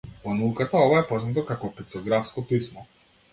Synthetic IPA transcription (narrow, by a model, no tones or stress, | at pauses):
vɔnaukat̪aɔvaɛpɔznat̪̬ɔkakɔpit̪ɔɡɾafskɔp̪ismɔ